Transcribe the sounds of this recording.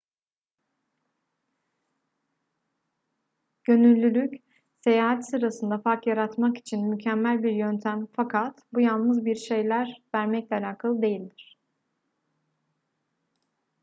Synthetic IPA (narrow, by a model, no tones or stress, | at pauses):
ɟ̥ø̞nylʲːylʲyc | se̞jaːɦat̪sɯɾasɯnd̪afaɾkjaɾat̪maki̥t͡ʃʰinmycʰæmːælʲbiɾjønt̪ʰæmfakʰat̪bujalˠnɯzbiɾʃe̞jlʲæɾvæɾmɛclʲɛalaːkʰalˠɯd̪e̞jilʲd̪iɾ̥